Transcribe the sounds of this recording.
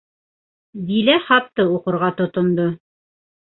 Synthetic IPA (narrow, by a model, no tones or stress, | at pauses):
d̪ilæχɑp̚t̪ɤuqŏɾʁɑt̪ŏt̪ŏnd̪o